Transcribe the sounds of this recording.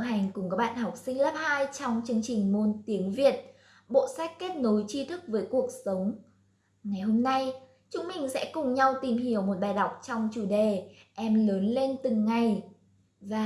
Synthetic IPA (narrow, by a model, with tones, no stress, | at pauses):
ɦa˨˩jŋ̟kʊ˨˩ŋ͡mkɔː˨˦˥k̚ɓa̰ː˧˨nhɔ˨˩wk͡p̚sï˧ŋ̟laː˦˥p̚haː˧jt͡ɕɔ˧wŋ͡mt͡ɕɨ˧əŋt͡ɕï˨˩ŋ̟mo˨˧nt̪i˨˦əŋvi˨˩ət̚ | ɓo̰˧˨sa˦˥jk̟̚ke˦˥t̚no˨˦jt͡ɕi˧t̪ʰɨ˦˥k̚vəː˨˦jku˨˩ək̚sə˨˦wŋ͡m | ŋa˨˩jɦo˧mna˧j | t͡ɕʊ˧˦ŋ͡mmï˨˩ŋ̟sɛ̰˧˥kʊ˨˩ŋ͡mɲa˧wt̪i˨˩mɦhi˨˩əwmo˨˩t̚ɓaː˨˩jɗa˨˩wk͡p̚t͡ɕɔ˧wŋ͡mt͡ɕu˧˩ɗe˨˩ʔɛ˧mləː˨˦nle˧nt̪ɨ˨˩ŋːa˨˩j | vaː˨˩